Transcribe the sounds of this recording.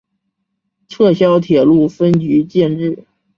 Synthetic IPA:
ʈ͡ʂʰɤ˥˩ɕjɑ˥ʊt̪ʰjɛ˨˩lu˥˩fə˥nt͡ɕy˧˥t͡ɕjɛ˥˧nʈ͡ʂɻ̩˥˩

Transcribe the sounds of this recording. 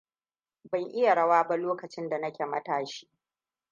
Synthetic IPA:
bɐ˨ŋʔɪ˦ja˨ɽɐ˦waː˦ba˦loː˦kɐ˨t͡ʃɪ˦nda˨nɐ˦kʲe˨mɐ˦taː˨ʃi̥ː˦

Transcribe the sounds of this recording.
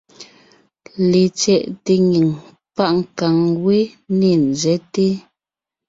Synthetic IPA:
le˨t͡ʃɛ˨ʔte˨ŋi˨ŋ | pa˦˨ʔŋ̩˨ka˨ŋwe˦ne˨n̩˨zɛ˨˦te˦

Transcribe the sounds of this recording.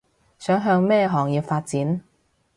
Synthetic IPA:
sœː˨˥ŋɦœː˧ŋmɛː˥ɦɔː˨˩ŋjiː˧wfaː˧t̚t͡siː˨˥n

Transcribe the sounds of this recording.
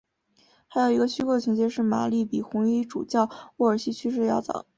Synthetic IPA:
xa˧˥ɪjo˨˩ʊi˧˥ɡə˧ɕy˥kɔ˥˩ə˩t͡ɕʰi˧˥t͡ɕjɛ˥˧ʂɻ̩˥˩ma̰˨˩li˥˩pi˨˩xʊ˧˥ŋi˧˥ʈ͡ʂu˨˩t͡ɕjɑ˥˧ʊu˥˩ə˞˨˩ɕi˥t͡ɕʰy˥ʂ̬ɻ̩˥˧jɑ˥˩ʊt͡sɑ̰˨˩˦

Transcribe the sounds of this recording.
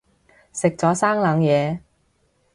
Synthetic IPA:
sɪ˨k̚t͡sɔː˨˥saː˥ŋlɐː˨˧ŋjɛː˨˧

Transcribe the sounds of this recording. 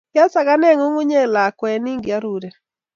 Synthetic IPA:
ja˦sa˨ɡa˦nɛ˦ŋo˦ŋu˦ɲe˦la˨kwɛ˨ni˦ŋɡɪ˨a˦ɾu˨ɾe˨

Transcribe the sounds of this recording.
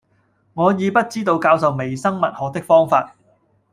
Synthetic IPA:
ŋɔː˨˧jiː˨˧pɐ˥t̚t͡siː˥t̪o˧wkaː˧wsɐ˨wme˨˩jsɐ˥ŋmɐ˨t̚hɔː˨˧k̚t̪ɪ˥k̚fɔː˥ŋfaː˧t̚

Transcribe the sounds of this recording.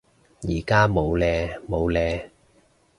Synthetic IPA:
jiː˨˩kaː˥mo˨˧wlɛː˧mo˨˧wlɛː˧

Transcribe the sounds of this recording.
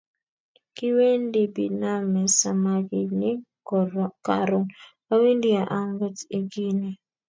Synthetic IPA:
kɪ˦we˦ndi˦bi˨na˦mɛ˨sa˨ma˦ɡɪ˨nɪ˦ | ka˨ɾɔ˦ŋ | a˦wi˦ndi˦a˨ʔa˦ŋɡə˦ti˨ɡi˦ni˨

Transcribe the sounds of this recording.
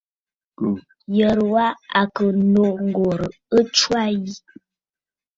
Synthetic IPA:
jə˨ɾwa˦a˨kə˨no˨ŋ˨ɡɔ˨ɾə˨ | ə˦t͡ʃwa˦ji˦

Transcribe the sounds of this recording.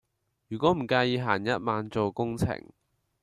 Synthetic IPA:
jyː˨˩kʷɔː˨˥m̩˨˩kaː˧jiː˨˧ɦaː˨˩njɐ˦˥t̚maː˨nt͡so˨wkʊ˥ŋt͡sʰɪ̰˨˩ŋ

